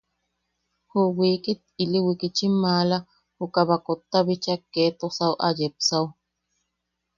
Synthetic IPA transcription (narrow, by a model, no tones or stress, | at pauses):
huwiːkit̪̚iliwikit͡ʃimaːla | hukaβakot̪ːaβit͡ʃakːet̪osawʔa̰jepsaw